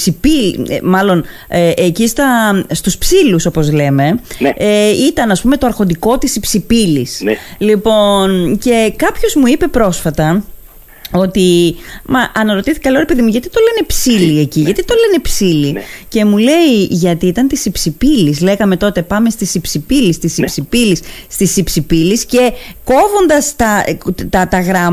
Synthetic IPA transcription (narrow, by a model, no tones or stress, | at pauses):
sipilimɐlo̞n | eʔecist̪ɐst̪uspsiluso̞po̞zle̞me̞eit̪ɐnɐspume̞t̪oɐɾxo̞nd̪iko̞t̪isipsipilislipo̞nce̞kɐpço̞zmuipe̞pɾo̞sfɐt̪ɐ | o̞t̪imɐʔɐnɐɾo̞t̪iθi̥kɐlo̞ɾepe̞ðimuʝɐt̪i̥t̪ole̞ne̞psilie̞ciʝɐt̪it̪o̞le̞ne̞psilice̞mule̞iʝɐt̪iit̪ɐnt̪isipsipilisle̞ɣɐme̞t̪o̞t̪e̞pɐme̞st̪isipsipilist̪isipsipilisst̪isipsipilisce̞ko̞vo̞nd̪ɐst̪ɐt̪ɐt̪ɐɣɾɐm